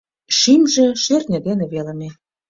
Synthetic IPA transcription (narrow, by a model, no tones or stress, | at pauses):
ʃimʒĕʃørnʲĕd̪enĕβelə̆me